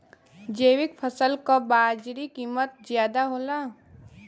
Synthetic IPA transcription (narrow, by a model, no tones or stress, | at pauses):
d͡ʒeːwɪk̚pʰəsəlkabaːd͡ʒɾikiːmət̪̚zjaːd̪aɦoːla